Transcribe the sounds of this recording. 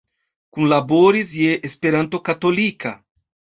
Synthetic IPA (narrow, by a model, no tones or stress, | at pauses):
kũnlaboɾizjeʔespeɾãnt̪okat̪olikɐ